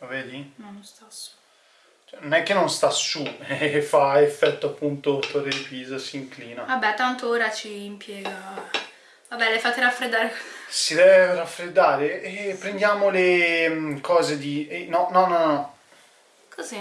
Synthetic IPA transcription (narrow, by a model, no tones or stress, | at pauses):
veːd̪inonːost̪asu̥ | t͡ʃɛnonɛk̟ːenːonst̪asuɛfaefːɛt̪ːoapːunt̪ot̪orːed̪ipiːzasiiŋkliːnavabːɛt̪ːant̪ooːɾat͡ʃiːmpʰjɛːɡa | vabɛlefat̪ːeɾafɾed̪ːaːɾesid̪ɛvɾafɾed̪ːaːɾepːɾend̪jaːmole | kʰɔːzed̪inɔnɔnɔnnɔ | kʰozɛ